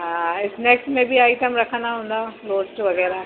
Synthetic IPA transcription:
ɦãːɪsneːksʈmẽbʱiaːɪʈəmɾɐkʰnaɦõːnd̪aɾoːsʈ̪oʋɐɣɛːɾa

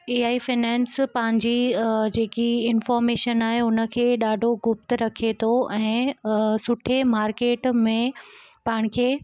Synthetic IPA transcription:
eːaːifɪnɛ̃ːnspɐ̃ɦɪ̃ɲd͡ʑid͡ʑeːkiɪnfɔːɾmeːʃənaːɦeʊnə̆kʰeːɗaːɖʱoɡʊp̚t̪ɾɐkʰet̪ʰoɛ̃ːsʊʈʰemaːɾkeːʈmẽpɐɪɽ̃̆kʰeː

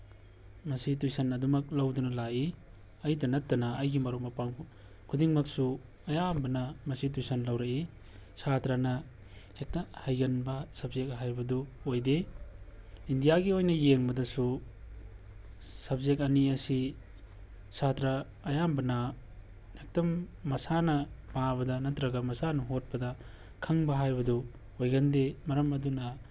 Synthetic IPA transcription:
mɐsitujsɐnɐdumɐk̚lɐwdunɐlai | ɐjdɐnɐtːɐnɐːjɡimɐɾok̚mɐpaŋ | kʰudiŋmɐksu | ɐjambɐnɐmɐsitujsɐnlɐwɾɐi | satɾanɐ | hek̚tɐhajɡɐnbɐsɐbzek̚ɦajbɐduojde | indijaɡiojnɐjeŋbɐdɐsu | sɐb̚zek̚ɐniɐsi | sʰatɾɐː | jambɐnɐ | ek̚tɐmːɐsanɐbaβɐdɐnɐtɾɐɡɐmɐsanɐɦot̚pɐdɐ | kʰɐŋbɐɦajbɐdu | ojɡɐndemɐɾɐmɐdunɐ

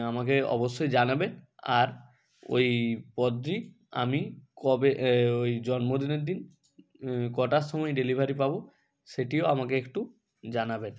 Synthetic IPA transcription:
amak̬eɔ̰boʃːojd͡ʑanabena̰ɾ | o̰jpɔd̪ɾi | a̰mikɔbeojd͡ʑɔnmod̪ineɾd̪in | kɔʈaʃɔmɔjɖelibʱaɾipabo | seʈioamakeekʈu | d͡ʑanaben

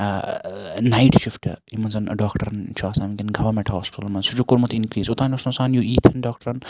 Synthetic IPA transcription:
naiʈʃifʈimɐnzɐn̰ɖaːkʈɐɾɐnt͡ʃʰaːsaːmiɡʲinɡʱɐʋɐɾmẽɳʈɦaːspɪ̥t̪ɐlmɐnsud͡ʒukʊɾmɐt̪inkɾiːsʊt̪aːnʲosnɐsaːnjuiːt̪ʰhɐnɖaːk̚ʈɐɾɐn

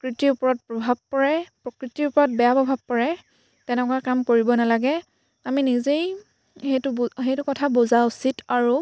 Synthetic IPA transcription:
kɹitiɹupɔɹɔt̚pɹɔbʱab̚pɔɹɛpɹɔkɹitiʊpɔɹɔt̚bɛjabɔbʱab̚pɔɹɛ | tɛnɛkɔakamkoɹibɔnalaɡɛ | aminizej | xetʊɦejtʊkɔtʰabozausitaɹu

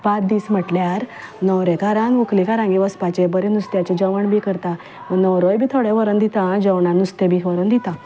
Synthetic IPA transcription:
pat̪̚d̪iːsm̤əʈljaɾnəwɾekaɾãŋɡuklikaɾãŋɡiʋəspat͡ɕebəɾenust̪jat͡ɕed͡ʑəʋəɳbʱikəɾt̪ã | mənəwɾojbʱiːt̪ʰoɽeʋəɾənd̪it̪ãd͡ʑəwɳanust̪ẽbikʰʋəɾənd̪it̪ã

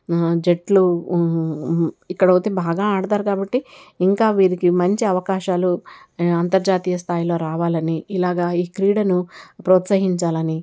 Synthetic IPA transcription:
d͡ʒe̞ʈlu | ikːɐɽɐwut̪eːbaːɡaːaːɽɐd̪aːɾkaːbɐʈːiiŋkaːʋiːɾikimɐɲt͡ʃiɐʋɐkaːʃaːlu | ɐnt̪ɐɾd͡ʒaːt̪iːjɐst̪ʰaːjilo̞ːɾaːʋaːlɐniilaːɡaːiːkɾiːɽɐnupɾoːt̪sɐɦiɲt͡ʃaːlɐni

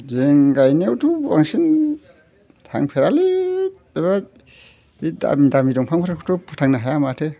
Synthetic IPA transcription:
zeŋɡajniawtua̰ŋsin | tʰa̰ŋpʰeɾali | eβa | bida̰mdamidɔŋpʰaŋpʰɔtʰaŋkʰɔtʰɔpʰɔtʰaŋnaɦajamatʰe

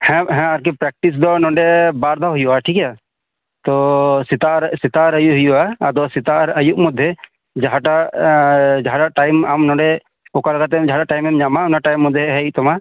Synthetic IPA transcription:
hɛ̃ɦɛ̃aɾk̬ɛpɾɛk̚ʈis̬d̪ɔnɔ̃ɳɖɛbaɾd̪ʱaɦujuaʈʰika | t̪ɔsit̪aɾsit̪aɾəjuɦujuaad̪ɔsit̪aʔɾəjuʔmud̪ʱje | d͡ʒaɦaʈa | d͡ʒaɦaɖaʔʈajmamnɔ̃ɖɛ | ɔkalaɡat̪ɛmd͡ʒaɦaɖaʔʈajmɛmɲamaunaʈajmːud̪ʱjɛɦɛit̪ɔma

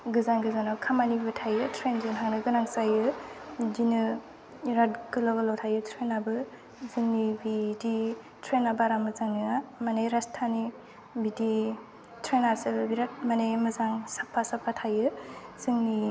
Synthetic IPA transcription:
ɡɯzanɡɯzanakʰamanibɯtʰajɯtʰɾenzɯnɦaŋnɯɡɯnaŋsajɯdinɯ | ɾatɡɯlɔɡɯlɔwtʰajɯtʰɾenabɯ | zɯŋnibidi | tʰɾenabaɾamɯzaŋnɯamanejɾastʰani | bidi | tʰɾenaɾsɯbɯbiɾat̚manejmɯzaŋsapʰːasapʰːatʰajɯz̥ɯŋni

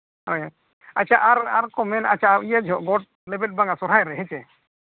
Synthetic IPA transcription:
ɔja | at͡ʃaʔaɾaɾkɔmɛnat͡ʃaijad͡ʒʱɔʔɡɔʈ̚ | lɛbɛt̚baŋasɔɾajɾɛɦɛ̃t͡ʃɛ

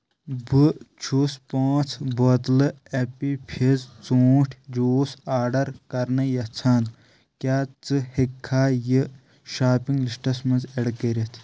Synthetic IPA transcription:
bɨt͡ʃʰuspaːt͡sʰbɐt̪lɨepipʰizt͡soːʈʰʲd͡ʒoːsaːɖɐɾkɐɾnɐjɐt͡sʰaːn | kʲaːt͡sɨhekʰːaːjɨ | ʃaːpiŋɡliʂʈɐsmɐnzeɽkəɾʲet̪ʰ

